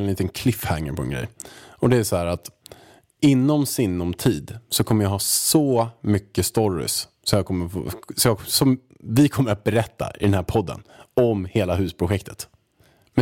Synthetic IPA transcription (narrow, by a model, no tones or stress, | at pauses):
nliːt̪ənkʰlɪfhaŋːə̰ɾpʰɔɛ̰nɡɾɛ̰jɔd̪ɛæsɔhæːɾat̪ | ɪnːɔmsɪnːɔmt̪ʰiːd̪sɔkʰɔmːəɾjɑɦɑːsɔmʏkːəst̪ɔɾɪ̰s | sɔmjɑkʰɔmːəfsɔjɑsɔm | vɪkʰɔmːəɾat̪̚bɛɾɛt̪ːa̰ʔɪ̰d̪ɛnhæːɾpʰɔd̪ːə̰nɔmheːlaɦʉ̟ːspʰɾʊɧɛk̚t̪ʰə̥t̪ | mɛ